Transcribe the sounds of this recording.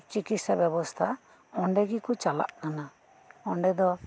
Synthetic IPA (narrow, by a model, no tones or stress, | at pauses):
t͡ʃikit̪sabjɛbɔst̪ʰa | ɔɳɖɛɡikut͡ʃala̰ʔnana | ɔɳɖɛd̪ɔ